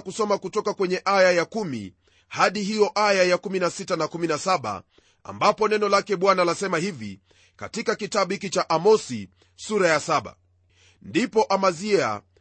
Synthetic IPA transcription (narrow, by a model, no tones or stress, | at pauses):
kusɔmakutɔkakwɛɲɛʔajajakumḭ | haɗiɦijɔʔajajakuminasitanakuminasaɓa̰ | a̰mbapɔnɛnɔlakɛɓwanalasɛmahivḭ | ka̰tikakitaɓuhikit͡ʃaʔamɔsi | suɾajasaɓa̰ | ndipɔʔamaziɛa̰